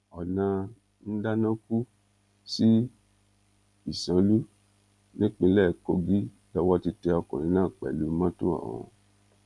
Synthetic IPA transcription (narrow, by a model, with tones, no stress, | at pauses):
ɔ˨nã˧ | n̩˦da˦nã˦ku˦ | si˦ | i˨sã˨˦lu˦ | nĩ˦k͡pĩ˧˦lɛ˦˨ko˧ɡi˦ | lɔ˧wɔ˦ti˧tɛ˧ɔ˧kɔ̃˨nĩ˨˦nãː˦˨k͡pɛ̰˨lu˨˦mã˦tũ˦ã̰˦˨wɔ̰̃˧